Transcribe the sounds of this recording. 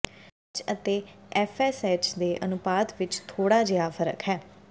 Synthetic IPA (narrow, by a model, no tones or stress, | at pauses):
t͡ʃət̪eːɛːfʰɛːsɛːt͡ʃd̪eːʔənʊpaːt̪ʋɪt͡ʃt̪ʰoːɽaːd͡ʒɪjaːfʰəɾə̰kɦɛː